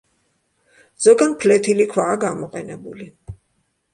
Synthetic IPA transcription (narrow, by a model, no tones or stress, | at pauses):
z̥ɔɡanpʰlɛt̪ʰilikʰwaːɡamɔqʼɛnɛbuli